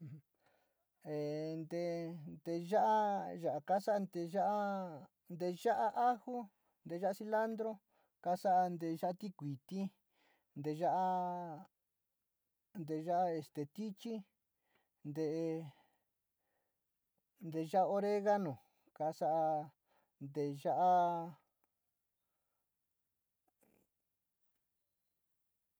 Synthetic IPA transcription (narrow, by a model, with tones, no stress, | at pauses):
e˨nd̪e˧nd̪e˧ʒa˦ʔa˦ʒa˨ʔka˦sa˦a˧nd̪e˧ʒa˦ʔa˦ | nd̪e˧ʒa˦ʔa˦ʔa˦hu˦ | nd̪e˧ʒa˦a˧si˧la˦nd̪ɾo˦ | ka˧sa˦ʔa˧nd̪e˧ʒa˦ʔa˦˧t̪i˦kʷi˨t̪i˦ | nd̪e˧˨ʒa˦ʔa˧ | nd̪e˨˧ʒa˦ʔa˦e˧˨st̪e˨t̪i˦t͡ʃi˦ | nd̪e˧˨˧ | nd̪e˧ʒa˦a˧o˧ɾe˦ɣa˦nõ˨ | ka˧sa˦ʔa˧ | nd̪e˨˧ʒa˦ʔa˦